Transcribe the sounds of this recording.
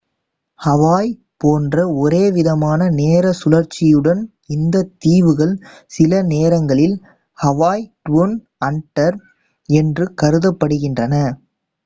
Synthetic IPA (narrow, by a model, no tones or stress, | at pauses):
hɐʋaːj | poːndrɐɔɾeːʋɪðɐmaːnɐneːɾɐsʊlɐɾt͡ʃːɪjɯɽɐn | ɪnd̪ɐt̪ːiːʋɯɣɐɭ | sɪlɐneːɾɐŋɡɐɭɪl | hɐʋaːjʈʋon | ɐɳʈːɐɾ | ɛndrɯkɐɾɯðɐpːɐɽɯɣɪndrɐnɐ